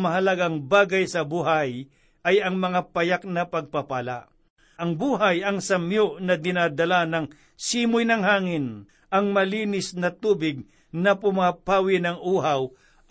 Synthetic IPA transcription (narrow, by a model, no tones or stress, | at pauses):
mɐɦɐlɐɡaŋbaːɡɐjsɐbʊɦaj | ʔɐjɐŋmɐŋapɐjak̚nɐpɐɡ̚pɐpaːla̰ʔ | ʔɐŋbuːɦajɐŋsɐmjoʔnɐd̪ɪnad̪ɐlanɐŋ | siːmʊjnɐŋɦaːŋɪn | ʔɐŋmɐliːnɪsnɐt̪uːbɪɡ̚ | nɐpʊmapaːwɪnɐŋʔuːɦaw